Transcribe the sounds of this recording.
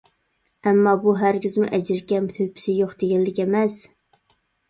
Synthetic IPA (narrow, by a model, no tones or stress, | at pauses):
ɛmːɑbuɦæɾkʲyzmṵʔɛd͡ʒɪɾkʲɛnt̪ʰøjpʰɪ̥sɪjoqd̪eɡʲɛlːɪkʲɛmɛs